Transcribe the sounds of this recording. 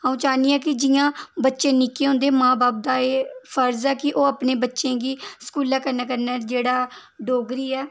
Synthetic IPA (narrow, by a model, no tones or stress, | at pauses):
ɦãːũːt͡ʃaːniːɛːkɪd͡ʒɪjãːbətːʃẽːnɪkeːɦõːnd̪eːmãːbaːp̚d̪aːeːfʰəɾzɛːkɪʔoːapneːbətːʃẽːɡiːskuːlɛːkəɾnaːkəɾnɛːd͡ʒeːɽaː | ɖoːɡɾiːɛː